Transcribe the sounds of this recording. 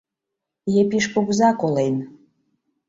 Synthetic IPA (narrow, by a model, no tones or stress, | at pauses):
jepiʃpuɣzɑkolen